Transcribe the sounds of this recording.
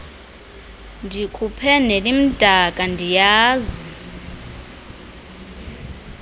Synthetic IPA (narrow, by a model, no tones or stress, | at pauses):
ndʱikʰupʰɛnelim̩d̥ʱakʼandʱijaːzi